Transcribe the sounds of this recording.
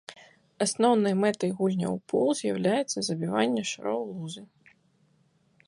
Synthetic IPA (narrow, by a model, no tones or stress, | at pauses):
asnɔwnɨjmɛt̪ɐjɣulʲnʲɐ̰wpulˠzʲjɐ̰wlʲajɛt̪sːɐzɐbʲivanʲːɐʂɨ̰ɾɔwlˠuzɨ